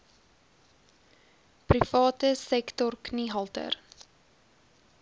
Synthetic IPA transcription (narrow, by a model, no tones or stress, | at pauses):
prifɑːtəsɛktɔrkniɦɐlˠtə̰r